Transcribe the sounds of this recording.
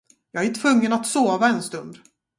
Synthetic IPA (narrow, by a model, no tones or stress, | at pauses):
jɑːɡæɾt̪ʰvɵŋːənat̪soːvaɛnst̪ɵnd̪